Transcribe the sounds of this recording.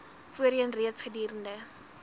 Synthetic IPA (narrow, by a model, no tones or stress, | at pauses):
fuəɾiənriətsχədiːɾəndə